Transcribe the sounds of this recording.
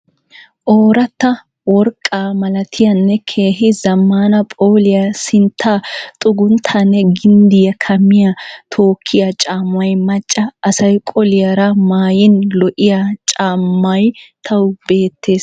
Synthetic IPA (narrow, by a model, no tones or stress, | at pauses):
ʔoːɾɐt̪ːɐ | wɔɾkʼːaːmɐlɐt̪ʰɪjɐnːɛkʰe̞ːɦɪzɐmːaːnɐpʼoːlɪjɐsɪnt̪ʰːaːt̪ʼʊɡʊnt̪ʰɐnːɛɡɪnd̪ɪjɐkʰɐmːɪjɐt̪ʰoːkʰːɪjɐt͡ʃʼaːmwɐjmɐt͡ʃʼːɐɐsɐjkʼɔlɪjɐɾɐmaːjɪnlɔʔɪjat͡ʃʼaːmːɐjt̪ʰɐwbe̞ːt̪ːe̞ːs